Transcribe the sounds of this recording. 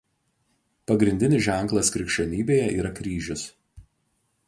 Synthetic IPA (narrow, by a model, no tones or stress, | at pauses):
pɐɡɾʲɪnʲd̪ʲɪnʲɪʒʲæˑŋˑklˠɐskɾʲɪkʃʲt͡ʃʲɛnʲiːbʲeːjɛʔiːɾɐkɾʲiːʒʲʊs